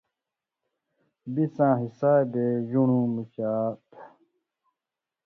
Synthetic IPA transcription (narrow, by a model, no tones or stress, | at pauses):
bisãːɦisaːjb̪eʑunũːmit͡ɕaːt̪